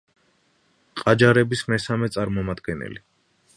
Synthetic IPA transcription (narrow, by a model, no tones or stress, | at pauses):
qʼad͡ʒaɾɛbismɛsamɛt̪sʼaɾmɔmad̪ɡɛnɛ̰li